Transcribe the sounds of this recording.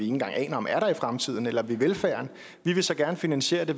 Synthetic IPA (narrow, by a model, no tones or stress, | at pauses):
ie̝ŋn̩ɡɑ̈ŋ̰ʔɛ̰ːnɐɒ̽mʔæɐɾ̥ɑ̈ifʁamt͡sʰið̞̰ˠn̩elɐʋiʋelfæ̰ːɐn | ʋiʋe̝sɒ̽ɡ̥æɐnəfinænɕe̝̰ːɐd̥e̝